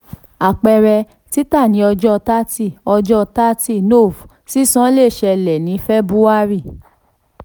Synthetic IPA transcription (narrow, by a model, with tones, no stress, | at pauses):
a˨k͡pɛ˧ɾɛ˧ | ti˦ta˦˨nĩ˨˦ɔ˧d͡ʒɔ˦˧ta˦ti˦˨ɔ˧d͡ʒɔ˦˧ta˦ti˦˨no˦˨f | si˦sã˦le˦˨ʃɛ˧lɛ˨nĩ˨˦fɛ˦bu˦a˦ɾi˦˨